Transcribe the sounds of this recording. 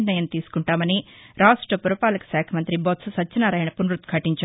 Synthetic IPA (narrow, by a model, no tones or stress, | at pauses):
nɐjɐnt̪iːsu̥kuɳʈaːmɐni | ɾaːʂʈɾɐpuɾɐpaːlɐku̥ʃaːkʰɐmɐnt̪ɾibot̪sɐsɐt͡ʃt͡ʃːɐnaːɾɐjɳɐpunɾut̪kʰɐʈːiɲt͡ʃa